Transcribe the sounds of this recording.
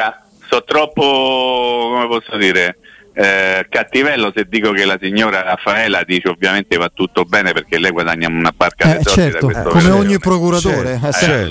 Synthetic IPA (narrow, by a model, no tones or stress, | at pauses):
a | sɔt̪ːɾɔpːo | komepɔsːod̪iːɾe | kat̪ːivɛlːosed̪ːiːkokelːasiɲːoːɾaafːaɛːlad̪iːt͡ʃeovjament̪evat̪ːut̪ːobɛːnepeɾk̟elːɛjɡwad̪aɲːaunabarkaɛest͡ʃɔt͡ʃɛid̪ak̪owet̪okomeoɲːipɾokuɾat̪oːɾeɛt͡ʃɛ